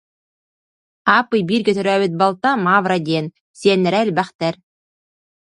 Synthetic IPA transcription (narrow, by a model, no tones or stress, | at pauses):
ɑpɯjbiɾkĕt̪ø̆ɾæβit̪̚bɑlˠt̪ɑmavɾad̪ʲen | sʲenɾælʲbæχt̪æɾ